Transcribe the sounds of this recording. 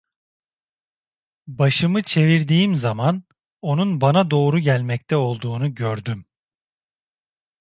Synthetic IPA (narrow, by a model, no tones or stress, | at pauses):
baʃɯmɯt͡ʃʰe̞viɾd̪iːimzaman | o̞nunbanad̪o̞ːɾuɟælʲmɛc̚t̪ʰɛo̞lˠd̪uːnuɟøɾd̪ym